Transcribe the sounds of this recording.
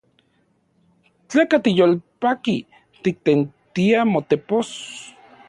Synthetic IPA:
t͡ɬeːkat̪ijolpaki | t̪ik̚t̪ent̪iamot̪epos

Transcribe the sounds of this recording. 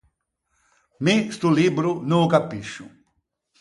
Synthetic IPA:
mist̪ulibɾʊnukapiʃʊ̰

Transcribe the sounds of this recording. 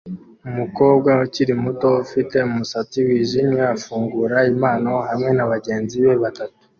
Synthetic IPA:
umuko̞ːb̚ɡauciɾimuto̞ufite̞umusat͡siwiːʒimeafuːŋɡuɾaimaːno̞ɦamŋe̞naβaɟe̞ːnziβe̞βatatu̥

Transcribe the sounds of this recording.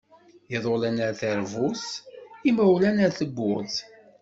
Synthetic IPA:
jeðˤolænəɾθəɾvusimæwlænəɾθəɡːʊɾθ

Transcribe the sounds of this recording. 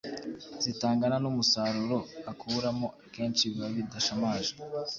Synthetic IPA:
z̥itaːŋɡananumusaːɾuɾo̞akʰuɾamo̞ake̞ːnt͡ʃiβaβidaʃamaːʒḁ

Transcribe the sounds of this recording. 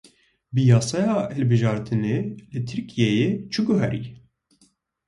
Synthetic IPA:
bɨjɑːsɑjɑːhɨlbɨʒɑːɾt̪ʰɨneːlɨt̪ʰɨɾkʰijɛjeːt͡ʃʰɨɡʊɦæɾḭ

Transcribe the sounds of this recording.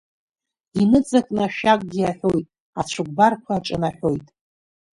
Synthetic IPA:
inɨt͡sʼakʼnaʃᶣakʷʼɡʲiaħo̞jtʼ | at͡ʃʷʰɨɡ̚ʷʼbarkʷʰaːʈ͡ʂʼɨnaħo̞jtʼ

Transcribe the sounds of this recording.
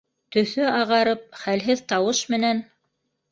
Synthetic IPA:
t̪ɵ̆θɵɑʁɑɾɤp̚χælɦɘðt̪ɑwɤʃmɘ̆næn

